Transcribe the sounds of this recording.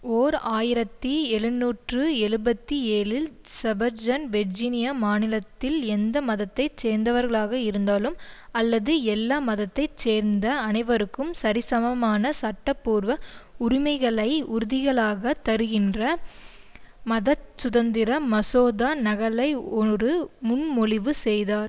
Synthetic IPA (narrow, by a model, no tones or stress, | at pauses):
oːɾaːjɪɾɐt̪ːiɛɻɯnːuːʈrɯɛɻɯbɐt̪ːieːlɪl | sɛbɐɾd͡ʒɐnʋɛɾd͡ʒiːnɪjamaːnɪlɐt̪ːɪlɛnd̪ɐmɐðɐt̪ːɐɪt͡ʃeːɾnd̪ɐʋɐɾɣɐɭaːɣɐɪɾɯnd̪aːlɯmɐlːɐðɯɛlːaːmɐðɐt̪ːɐɪt͡ʃeːɾnd̪ɐːnɐɪʋɐɾɯkːɯmsɐɾɪsɐmɐmaːnɐsɐʈːɐpːuːɾʋɐʊɾɪmɐɪɣɐɭɐɪʊɾʊðɪɣɐɭaːɣɐt̪ːɐɾɯɣɪndrɐ | mɐðɐsʊðɐnd̪ɪɾɐmɐsoːðaːnɐɣɐɭɐɪɔɾɯmʊnmɔɭɪʋɯsɛjðaːɾ